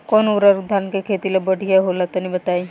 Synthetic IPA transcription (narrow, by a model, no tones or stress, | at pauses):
kɔnuɾaɾud̪ʱankekʰet̪ilebəɽʱiaɦolat̪ɔnibət̪ai